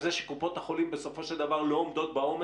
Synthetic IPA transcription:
zeʃekupo̞t̪aχo̞limbe̞so̞fo̞ʃeld̪avaʁloːmd̪o̞t̪̚bao̞m

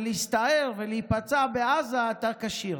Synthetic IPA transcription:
leist̪aeʁveleipat͡sabeazaat̪akaʃiʁ

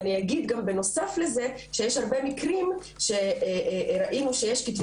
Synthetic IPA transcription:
nijaɡid̪ɡambeno̞safle̞ze̞ | ʃejeʃhaʁbemikʁim | ʃe̞ | ɾaʔinuʃejeʃkit̪

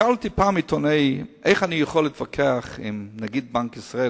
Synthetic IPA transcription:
altipaːmɪtʰɔneɪeɪχanijuχɔlˠɪtfakʰɛaχɪ̰mnaɡid̚baŋkɪsʁae

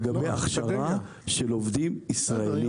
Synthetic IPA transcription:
ɡabejaχʃaʁa | ʃelovd̪imisʁaeli

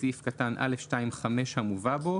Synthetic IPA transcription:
ifkatanʔa̰lefʃtaimχame̞ʃhamuvabo

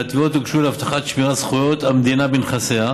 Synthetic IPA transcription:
at̪iot̪uɡʃulaft̪aχat̪ʃmiʁasχujo̞t̪amd̪inabenχasea

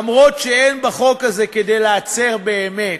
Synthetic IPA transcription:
mʁo̞t̪ʃeejnbaχo̞kazekedejleat͡seʁbeːme

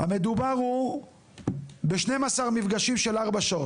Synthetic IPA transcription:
hame̞d̪ubaʁhu | beʃne̞jmasaʁmifɡaʃimʃe̞laʁbaʃao

